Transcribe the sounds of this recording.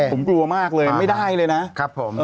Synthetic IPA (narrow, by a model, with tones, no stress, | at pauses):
o˩˦mklu˧ɐmaː˥˩k̚lɤː˧jma˥˩jdaː˥˩jlɤː˧jna˦˥ʔkʰa˦˥pʰːo˩˦mː